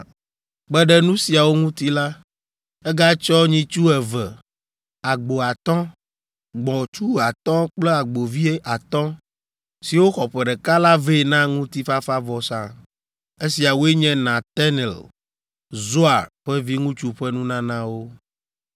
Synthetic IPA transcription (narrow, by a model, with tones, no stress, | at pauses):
ɡ͡bɛ˦ɖɛ˦nũ˦si˨a˨wo˦ŋũ˦t̪i˦la˦ | ɛ˦ɡa˦t͡ʃɔ˦ɲĩ˦t͡ʃu˦ɛ˨vɛ˨ | a˨ɡ͡bo˨a˨t̪ɔ̃˦ | ɡ͡bɔ̃˨t͡ʃu˦a˨t̪ɔ̃˦k͡plɛ˦a˨ɡ͡bo˨vi˦e˦ʔa˨t̪ɔ̃˦ | si˨wo˦xɔ˨ɸɛ˨ɖɛ˨ka˦la˦ve˦˨nã˦ŋũ˦t̪i˦fa˦fa˦vɔ˨sã̰˨ | e˦si˨a˨wo˦e˦ɲɛ̃˦nã˨t̪ɛ˦nɛ˨l | zo˦a˨ɸɛ˦vi˦ŋũ˦t͡ʃu˦ɸɛ˦nũ˦nã˦nã˦wo˦